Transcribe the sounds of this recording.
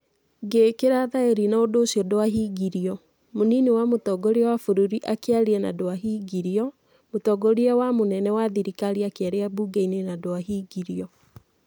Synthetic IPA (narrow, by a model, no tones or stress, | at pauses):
ɡekeɾaðaeɾinaodoːsiɔdoaɦiɡiɾiɔ | moninewamotɔɡɔɾiɛwafoɾuɾiʔakeaɾeɛna̰doaɦiːɡiɾiɔ | motɔɡɔɾiawamonɛnɛwaðiɾikaɾiakeaɾeabuːɡeinenadoaɦiːɡiɾiɔ